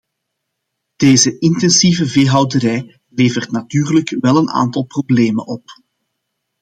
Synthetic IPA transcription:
d̥eːzəʔɪntɛnsivəveːɦɑwdəɾɛj | leːvərtnatyːrləkʋɛlˠəna̰ːntɑlˠprobleːmə̰nʔɔp

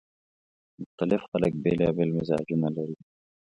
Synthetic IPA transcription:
mʊxt̪alɪfxalək̚beːlɑːbelmɪzɑ̰ːd͡ʒunalaɾi

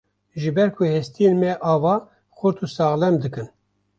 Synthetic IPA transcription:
ʒɨbɛɾkʰʊhɛst̪ijenmɛʔɑːvɑː | xʊɾt̪ʰusɑːɣlɛmd̪ɨkɨn

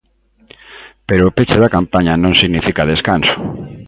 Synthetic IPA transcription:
peɾoːpet͡ʃeðakampaɲanõŋsiɣnifikaðeskanso̥

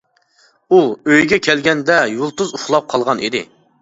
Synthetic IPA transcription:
uøjɡʲɛkʲʰɛlɡʲɛnd̪ɛjulˠt̪uzuχlˠɑp̚qʰɑlˠʁɑnḭd̪ɪ̰

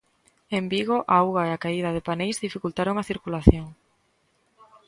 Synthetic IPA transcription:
embiɣoʔawɣaeakaið̞að̞ɪpanejzðifikult̪aɾoŋaθiɾkulaθjoŋ

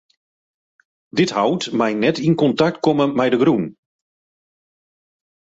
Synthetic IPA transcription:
dɪthawtmɛjnɛtinkɔntak̚t̚kɔməmɛjdəɡɾun

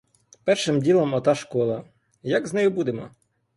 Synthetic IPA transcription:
pɛrʃɪmdʲilˠɔmɔt̪ɑʃkɔlˠɐ | jaɡznɛjʊbud̪emɔ̰

